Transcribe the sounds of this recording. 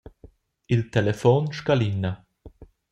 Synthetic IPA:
ilt̪ɛlɛfɔnʃkalinːa

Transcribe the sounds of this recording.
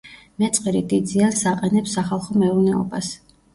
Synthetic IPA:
mɛt̪sʼqʼɾid̪id̪ziansaqʼɛnɛpsaχalˠχɔmɛuɾnɛɔ̰bas

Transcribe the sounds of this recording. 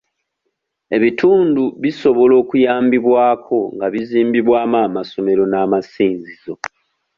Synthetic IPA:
e̞βitʰuːnduβiso̞βo̞lo̞ːkujaːmbiβwaːkʰo̞ŋɡaβiziːmbiβwaːmaːmaso̞me̞ɾo̞naːmasiːnzizo̞

